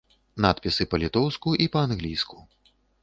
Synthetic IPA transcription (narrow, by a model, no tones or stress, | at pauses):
nat̪pʲisɨpɐlʲit̪ɔwskuʔipɐanɣlʲijsku